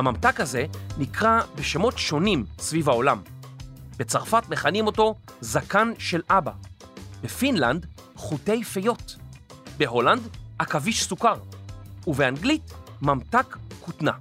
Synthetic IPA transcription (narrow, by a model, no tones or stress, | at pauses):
hamamtakhaze̞nikʁabeʃe̞mo̞tʃo̞nimsvivao̞lam | be̞t͡saʁfatme̞χanimo̞to̞zakanʃe̞lʔababefinland | χute̞jfejo̞t | be̞ɦo̞landakaviʃsukaʁuveanɡlitmamtakːutna̰